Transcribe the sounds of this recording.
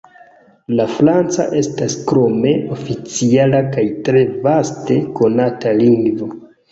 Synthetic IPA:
lafɾant͡sa̰ʔe̞staskɾo̞me̞ofit͡sialakajtɾe̞vaste̞ko̞nataliŋɡvo̞

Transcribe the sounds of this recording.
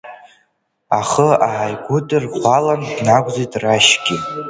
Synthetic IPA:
aχəaʕajɡʷʊdɨrχʷalandnaɡʷʼzijtʼraʃɡʲi

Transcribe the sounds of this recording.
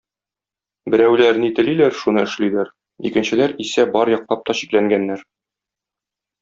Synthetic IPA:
bɘ̆ɾæwlæɾnɘt̪ɘ̆lilæɾʃunɤɘ̆ʃlilæɾ | ḭkɘ̆nɕɘ̆læɾisæbɒɾjɒq̚lˠɑp̚t̪ɒɕiklæŋɡænːæɾ

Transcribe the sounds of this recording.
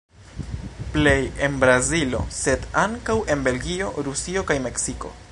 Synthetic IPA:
ple̞je̞nbɾazilo̞̰se̞daŋkawʔe̞nbe̞lɡio̞ɾusio̞kajme̞ksiko̞̰

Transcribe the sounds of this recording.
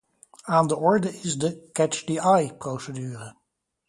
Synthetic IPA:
aːndəʔɔɹdəʔɪzdəkɛt͡ʃdiajprowsədyːrə

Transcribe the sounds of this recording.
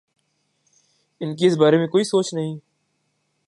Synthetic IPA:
ɪnkeɪsbaːɾemẽkoːisoːt͡ʃnɐɦĩː

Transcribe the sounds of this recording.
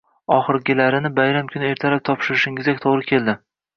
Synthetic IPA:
ɒχɨɾɡʲɪlaɾɪnɪbajɾamkʰʊnɪe̞ɾt̪ʰalap̚t̪ʰɒpʃɪɾɪʃɪŋɪzdak̚ʲt̪ʰoʁɾɪkʲʰe̞ld̪ɪ

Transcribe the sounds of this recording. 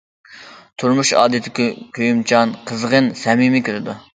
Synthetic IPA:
t̪ʰuɾmuʃɑ̰ːd̪ɪt̪ʰɪkʲkʲʰøjymt͡ʃʰɑnqʰəzʁənsɛmimɪkʲʰøɾɪd̪u

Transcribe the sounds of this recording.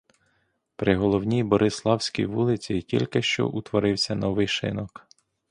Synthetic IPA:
pɾɪɦɔlˠɔwnʲijbɔɾʔɪslˠɑwsʲkʲḭjʋulˠɪt͡sʲikʲilʲkɪʃt͡ʃɔ̰ʔut̪ʋɔɾɪwsʲɐnɔʋɪjʃɪ̰nɔk

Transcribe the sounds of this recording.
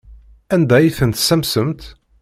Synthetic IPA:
ænd̪æjifənt̪sæmsəmt̪

